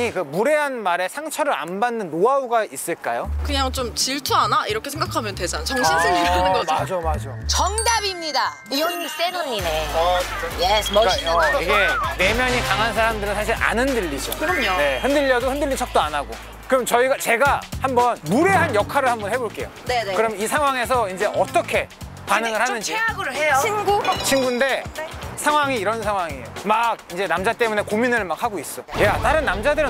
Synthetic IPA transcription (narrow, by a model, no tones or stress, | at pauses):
ikɯmuɾe̞ɦanmaɾe̞sʰaŋt͡ɕʰʌɾɯɾa̰nbanːɯnːoauɡais͈ɯɭk͈ajokɯɲaŋt͡ɕomt͡ɕiɭtʰuanaiɾʌkʰesʰeŋɡakʰamjʌntesʰant͡ɕʰʌŋɕʰiead͡ʑomad͡ʑot͡ɕʌŋdabimɲida | iois͈enoɲine | jekiɡe̞ne̞mjʌɲikaŋɦansʰaɾamdɯɾɯnsʰaɕ̬ʰiɾa̰nɯndɯʎːid͡ʑo̰kɯɾʌmjʌne̞hɯndɯʎːʌdohɯndɯʎːit͡ɕʰʌk̚t͈oanaɡo | kɯɯmt͡ɕʌiɡat͡ɕe̞ɡahambʌnmuɾe̞ɦanjʌkʰaɾɯɭhambʌnhe̞boɭk͈e̞̰jo̰nkɯɾʌmisʰaŋɦwaŋe̞s̬ʰʌind͡ʑe̞ʔʌt͈ʌkʰe̞ | panɯŋɯɭhanɯnd͡ʑiaɡɯɾejoinɡut͡ɕʰinɡunde̞sʰaŋɦwaŋiːɾʌnsʰaŋwaŋiejomaɡ̚ind͡ʑe̞namd͡ʑat͈e̞mune̞kominɯɭmak̚haɡois͈ʌjat͈aɾɯnːamd͡ʑadɯɾɯ